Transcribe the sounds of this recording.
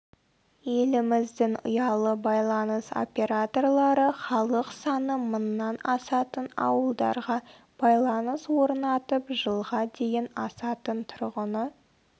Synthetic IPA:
je̞lɪmɪzd̪ɪŋʊ̰jɑlˠəbɑjlˠɑnəso̞̰pʲe̞ɾat̪o̞rlˠɑɾəχɑlˠəqsɑnəmʊnːɑnɑsɑt̪ənɑ̰wəlˠd̪ɑ̰ɾʁɑ | b̥ɑjlˠɑnəswo̞ɾnɑt̪əpʒəlˠʁɑd̪e̞jɪnɑsɑt̪ənt̪ʰʊɾʁənə

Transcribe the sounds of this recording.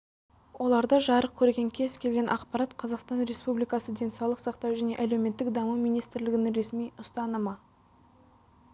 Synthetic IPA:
wʔo̞lˠɑɾd̪əʒɑɾəq̚kʲʰɵɾɡʲe̞ŋkʲʰe̞zkʲʰe̞lɡʲe̞nʔɑqpɑɾɑt̪qʰɑzɑqst̪ɑnɾe̞spublijkɑsəd̪e̞nsɑwlˠəqsɑqt̪ɑwʒæne̞ʔælewme̞t̪ːɪkd̪ɑmumijnijst̪ɾlɪɡʲɪnɪŋɾe̞smijʊst̪ɑnəmɑ

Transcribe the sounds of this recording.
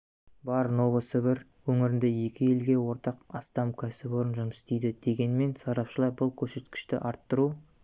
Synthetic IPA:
bɑɾno̞vəsəbɪɾ | wɵŋɪɾɪnd̪e̞je̞kʲɪje̞lɡʲe̞wo̞ɾt̪ɑqɑst̪ɑmkʲʰæsɪboɾənʒʊməsst̪ejd̪ɪd̪̥e̞ɡʲe̞nme̞nsɑɾɑpʃəlˠɑɾbʊlˠkʲʰɵɾse̞t̪kʲɪ̥ʃt̪ɪ̰ʔɑɾt̪ːəɾu

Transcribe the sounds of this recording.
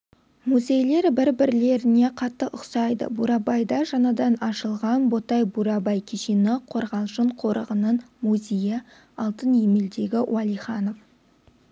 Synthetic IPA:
muzʲe̞jle̞ɾbɪɾbɪɾle̞ɾɪne̞qʰɑt̪ːəʔʊqsɑjd̪ə̰buɾɑbɑjd̪ɑʒɑnɑd̪ɑnɑʃəlˠʁɑnbo̞t̪ɑjbuɾɑbɑjkʲʰeʃinɪqʰo̞ɾʁɑlˠʒəɴqʰo̞ɾəʁənənmuzʲejɪ | ɑlˠt̪ənemeld̪e̞ɡʲɪwɑlˠijχɑno̞f

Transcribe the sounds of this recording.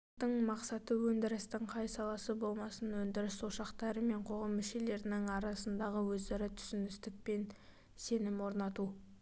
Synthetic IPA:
t̪əɴmɑqsɑt̪əwɵnd̪ɪɾɪst̪ɪɴqʰɑjsɑlˠɑsəbo̞lˠmɑsənwɵnd̪ɪɾɪsuʃɑqt̪ɑɾəme̞ɴqʰo̞ʁɑmːʏʃe̞le̞ɾɪnɪŋɑɾɑsənd̪ɑʁəwɵzd̪eɾɪt̪ʰʏ̥sɪnd̪ɪst̪ɪk̚pe̞n | se̞nɪmwo̞ɾnɑt̪u

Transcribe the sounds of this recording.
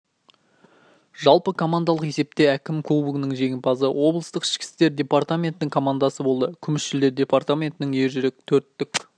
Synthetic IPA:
ʒɑlˠpəkʰo̞mand̪ɑlˠəqe̞se̞p̚t̪e̞ækʲɪmkʰubuɡnəŋʒe̞ŋʲɪmpʰɑzəwʔo̞blˠəst̪əqɪ̥ʃkʲɪ̥st̪e̞ɾd̪ʲe̞part̪amʲe̞nt̪ɪnɪŋkʰo̞mand̪asəbo̞lˠd̪əkʲʰʏmɪsʃɪld̪e̞ɾd̪ʲe̞part̪amʲe̞nt̪ɪnɪŋe̞ɾʒɪɾekʲt̪ʰɵɾt̪ːɪkʲ

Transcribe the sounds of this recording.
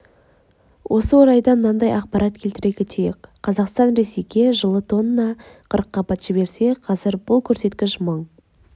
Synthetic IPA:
wʔo̞səwoɾɑjd̪ɑmənɑnd̪ɑjɑqpɑɾʔɑt̪kʲʰelt̪ɪɾeɡʲɪt̪ʰejekʲqːʰɑzɑqst̪ɑnɾe̞sejɡʲe̞ʒəlˠət̪ʰo̞nənɑqʰəɾəqːɑpɑt̪ʒ̥ɪbe̞ɾse̞qʰɑzɪɾbʊlˠkʲʰɵɾse̞t̪kʲɪʃməɴ

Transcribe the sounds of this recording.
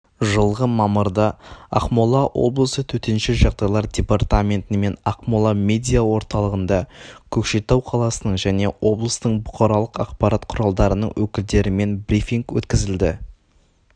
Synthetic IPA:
ʒəlˠʁəmɑməɾd̪ɑɑ̰qmulˠɑwʔo̞̰blˠəsət̪ʰɵt̪enʃɪʒɑʁd̪ɑjlˠɑɾdʲe̞part̪amʲe̞nt̪ɪme̞nɑqmolˠɑmʲe̞d̪ʲijawo̞ɾt̪ɑlˠəʁənd̪ɑkʲʰɵkʃet̪ɑwqʰɑlˠɑsənəɴʒæne̞wo̞blˠəst̪əɴbʊqɑɾɑlˠəqɑqpɑɾat̪qʰʊɾɑlˠd̪ɑɾənəɴwɵkʲɪld̪e̞ɾɪme̞nbɾʲifiŋkwɵ̰t̪kʲɪzɪld̪ɪ

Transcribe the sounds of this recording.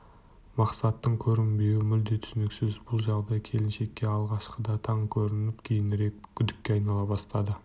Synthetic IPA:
mɑqsɑt̪ːəɴkʲʰɵɾɪnbe̞wɪmʏld̪e̞t̪ʰʏ̥sɪnɪksɪzbʊlˠʒɑʁd̪ɑjkʲʰe̞lɪnʃe̞kʲːe̞ɑlˠʁɑʃqəd̪ɑt̪ʰɑɴkʲʰɵɾɪnɪpkʲʰejɪnɾe̞k̚ʲkʲʰʏd̪ɪkʲːe̞ɑjnɑlˠɑbɑst̪ɑd̪ə

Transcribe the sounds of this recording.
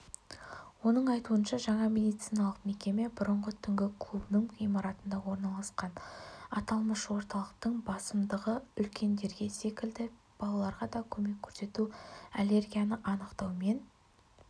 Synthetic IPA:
wo̞nəɴɑjt̪uənʃɑʒɑɴɑmʲe̞d̪ijt̪sijnɑlˠəqme̞kʲe̞me̞bʊɾəɴʁət̪ʰʏŋɡʲɪkʰlˠubnəɴijmɑɾɑt̪ənd̪ɑwo̞ɾnɑlˠɑsqɑnɑt̪ɑlˠməʃwo̞ɾt̪ɑlˠəq̚t̪əɴbɑsəmd̪əʁəʏlkʲʰe̞nd̪e̞ɾɡʲe̞se̞kʲɪld̪ɪ | b̥ɑlˠɑlˠɑɾʁɑd̪ɑkʲʰɵme̞kʲʰːɵɾse̞t̪uale̞rɡʲijanəʔɑnəqt̪ɑwme̞n

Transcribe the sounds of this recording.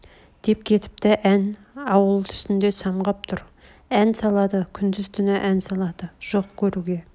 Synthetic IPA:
d̪̥e̞p̚kʲʰe̞t̪ɪ̥pt̪ɪʔæn | ɑwəlˠt̪ʰʏ̥st̪ɪnd̪e̞sɑɴʁɑp̚t̪ʰʊɾ | ænsɑlˠɑd̪əkʲʰʏnd̪ɪzt̪ʰʏnɪʔænsɑlˠɑd̪̥əʒ̥o̞qkʲʰɵɾuɡʲe̞

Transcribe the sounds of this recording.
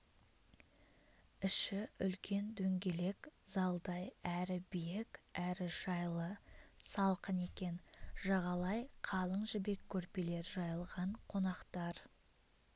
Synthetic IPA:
ɪʃɪʏlkʲʰe̞nd̪ɵŋɡʲe̞le̞kz̥ɑlˠd̪ɑjæɾɪbijekæɾɪʒ̥ɑjlˠəsɑlˠqəne̞kʲe̞nʒ̥ɑʁɑlˠɑjqʰɑlˠəɴʒɪbe̞kʲʰːɵɾpele̞ɾʒɑjəlˠʁɑɴqʰo̞nɑqt̪ɑɾ

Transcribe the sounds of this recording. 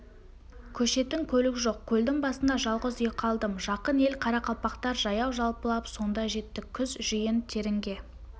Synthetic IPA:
kʲʰɵʃe̞t̪ɪŋkʲʰɵlɪɡʲɪʒo̞q̚kʲʰɵld̪ɪŋbɑsənd̪ɑʒɑlˠʁəzijqʰɑlˠd̪əmʒɑqəne̞lqʰɑɾɑqʰɑlˠpɑqt̪ɑɾʒɑjɑwʒɑlˠpəlˠɑpso̞nd̪ɑʒe̞t̪ːɪkʲʰʏzʒijɪnt̪ʰe̞ɾɪŋɡʲe̞

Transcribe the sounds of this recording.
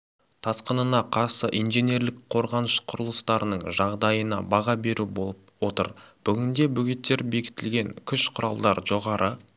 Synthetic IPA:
t̪ʰɑsqənənɑqʰɑɾsəʔijnʒe̞nʲe̞ɾlɪkqʰo̞ɾʁɑnəʃqʰʊɾəlˠəst̪ɑɾənəɴʒɑʁd̪ɑjənɑ̰bɑʁɑbe̞ɾubolˠəp̚wo̞t̪ə̰ɾb̥ʏɡʲɪnd̪e̞bʏɡʲet̪ːe̞ɾbe̞kʲɪ̥t̪ɪlɡʲe̞ŋkʲʰʏʃqʰʊɾɑlˠd̪ɑɾʒo̞ʁɑɾʔə

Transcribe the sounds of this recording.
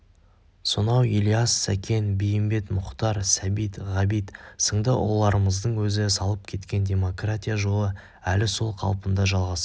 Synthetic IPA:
sonɑwilʲijasːækʲʰe̞nbejɪmbe̞t̪mʊqt̪ɑɾsæbijt̪ʁɑbijt̪səɴd̪əwʔo̞̰lˠɑɾəməzd̪əɴwɵzɪsɑlˠəp̚kʲʰe̞t̪kʲe̞ndʲe̞mo̞kratʲijaʒolˠə | ælɪso̞lˠqʰɑ̰lˠpənd̪ɑʒɑlˠʁɑs

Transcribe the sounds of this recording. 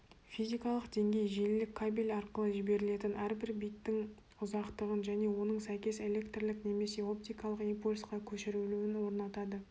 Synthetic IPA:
fijzijkɑlˠəqd̪e̞ŋɡʲe̞jʒelɪlɪkʲʰːabilʲɑɾqəlˠəʒɪbe̞ɾɪle̞t̪ɪnʔæɾbɪɾbijt̪ːɪŋ | ʊzɑqt̪əʁənʒæne̞wo̞nəɴsæjkʲe̞se̞lʲe̞kt̪rlɪkne̞me̞se̞o̞p̚t̪ijkɑlˠəqimpulʲsqɑkʲʰɵʃɪɾuluwɪnwo̞ɾnɑt̪ɑd̪ə

